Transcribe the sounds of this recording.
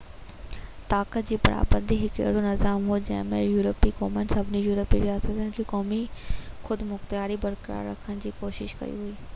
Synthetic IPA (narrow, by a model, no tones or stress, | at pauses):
t̪aːkət̪̚d͡ʑiːpɐɾa̰ːbə̃nd̪ʱiɦɪkḛːɽonɪzaːmɦud͡ʑɐ̰̃ɦɪ̃mẽjuːɾəpikɔːmənsɐbʱnijuːɾəpiɾijaːsət̪ʊnɪ̆kʰiːkɔːmixʊd̪mʊx̚t̪jaːɾibɐɾkəɾa̰ːɾːɐ̰kʰəɽ̃d͡ʑiːkoːʃɪʃkɐ̰ḭɦuiː